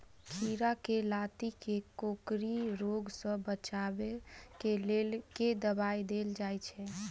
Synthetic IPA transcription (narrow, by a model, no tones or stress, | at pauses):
kʰiɾakelat̪ikekokɾiɾoɡsə̃bət͡ʃabekelelked̪əbajd̪eld͡ʒajt͡ʃʰɛ